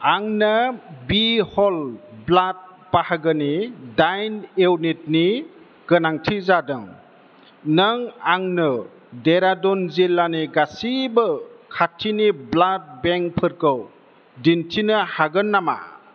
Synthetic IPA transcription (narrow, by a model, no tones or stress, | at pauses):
aŋnɯbihɔlblat̚ | pahaɡɯnidajnewnit̚ni | ɡ̥ɯnaŋtʰizadɯŋ | nɯŋaŋnɯ | deɾadɔnzilːaniɡasibɯkʰatʰiniblat̚beŋpʰɯɾkɯw | dintʰinɯhaɡɯnːama̰